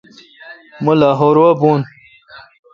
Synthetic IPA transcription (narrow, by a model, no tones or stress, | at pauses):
mulaɦoɾwabun